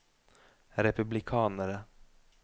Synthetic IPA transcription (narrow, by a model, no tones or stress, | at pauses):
ɾɛpɵblɪkʰɑːnəɾə